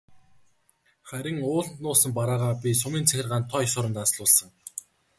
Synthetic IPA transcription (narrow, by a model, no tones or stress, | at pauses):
χæɾʲɪ̆ŋʊːɮt̪nʊːsə̆mpaɾaːʁaːpʲis̬ʊmiːnt͡sʰæxʲɪ̆rʁaːnt̪ʰːɔjsʊːɾə̆nt̪asɮʊːɮsə̆ŋ